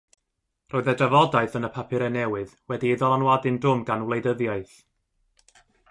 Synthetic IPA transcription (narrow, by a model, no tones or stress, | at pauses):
roːɨðədavɔdaɨθənəpʰapʰɨɾɛnɛwɨðwɛdiɪðɔlˠanwadɨndʊmɡanwlˠejdəðjaɨθ